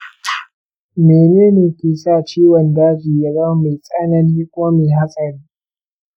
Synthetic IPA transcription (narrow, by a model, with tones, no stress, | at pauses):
meː˨neː˦neː˨kʲeː˨sa˦˨t͡ʃiː˦wɐ˨ndaː˦d͡ʒiː˨ja˦za˦ma˨jsʼa˦nɐ˦ni˦kʷʼoː˦me˨ɦa˦sʼɐ˨ɽiː˦